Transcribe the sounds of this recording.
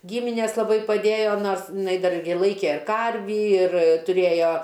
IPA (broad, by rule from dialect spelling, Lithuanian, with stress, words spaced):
ˈɡʲiːmʲɪnʲeːs lˠɐˈbɐɪ pɐˈdʲeːjoː ˈnoːrs ɪˈnɐɪ ˈdɐr ɪr ˈlˠɐɪkʲeː ˈkɐrʲʋʲiː ɪr tʊˈrʲeːjoː